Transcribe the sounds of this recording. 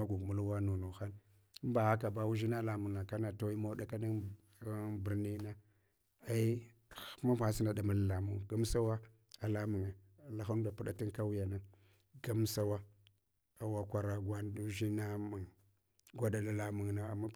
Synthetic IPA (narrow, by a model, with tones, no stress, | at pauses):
a˦ɡu˨ɡmu˦lwa˦nu˨nu˨xa˦n˦ | m˦ba˨ha˦ka˨ba˦wu˦ʒi˦na˦la˨mu˨ŋna˨ka˦na˨ta˦wi˦ma˦da˦ka˦ni˦ | bi˨ɾni˦na˦ | a˦i˦˨˦ | ma˦ma˨si˦na˨da˨ma˦la˨la˨mu˦ŋɡa˦m˦sa˦wa˦ | a˨la˦mu˨ŋa˨ | la˨xa˦n˦da˨pu˦ɗa˦ti˦n˦ka˦wu˦ja˨na˦ | ɡa˦m˦sa˦wa˦ | a˨wa˨kʷa˨ɾa˦ɡʷa˦n˦du˦ʒi˦na˦mu˨ŋ | ɡʷa˦da˨la˨la˨mu˨ŋna˨a˨ma˦